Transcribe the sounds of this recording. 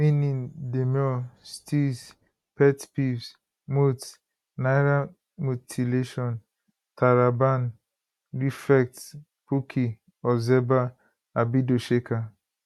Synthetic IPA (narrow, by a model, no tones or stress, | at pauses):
minĩndemjɔstis | pɛtpifs | mut | najɾa | mutʰileʃɔn | tʰaɾaban | ɾifɛk̚t | pukʰi | ɔzɛba | abidoʃeka